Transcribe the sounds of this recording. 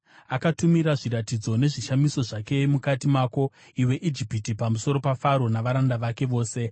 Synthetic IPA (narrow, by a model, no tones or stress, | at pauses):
akatumiɾaʐiɾatid͡zo̞ne̞ʐiʃamiso̞ʐake̞mukatimaːko̞ | iwe̞ʔid͡ʒipitipamuso̞ɾo̞pafaɾo̞naʋaɾandaʋake̞ʋo̞ːse̞